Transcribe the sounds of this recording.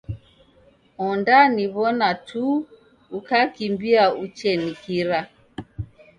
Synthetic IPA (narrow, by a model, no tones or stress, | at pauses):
ɔndaniβɔnatʰu | ukakimbiaut͡ʃɛnikiɾa